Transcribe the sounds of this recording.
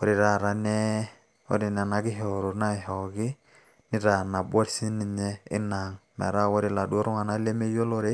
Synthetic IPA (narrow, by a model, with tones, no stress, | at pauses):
ɔ˨˦ɾi˨ɾa˨ɾa˨nɛ˦ | o̰˦ɾi˨nɛ˨na˨ɡi˦ɦɔ˨ɾu˨na˦˨ɦɔ˨ɡi˦ | ni˦ɾa˨na˨ba˦ɾsi˦ni˨ɲɛ˦ɪ̰˦na˨ŋmɛ̰˨ɾa˦wo˦ɾi˨la˨du˦o˦ɾu˦ŋa˨na˦le˦me˦jo˦lo˦ɾe˦